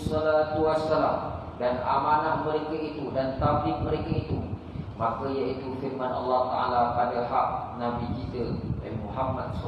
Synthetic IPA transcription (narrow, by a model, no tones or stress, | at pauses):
sɔlat̪uwasːalam | dana̰manat̪̚məɾekait̪udant̪ab̚lɪk̪̚məɾekait̪u | makajait̪ufirmanʔɑlːaht̪aʔa̰lapadaɦaʔ̚nabikit̪əahmuɦamːat̪̚s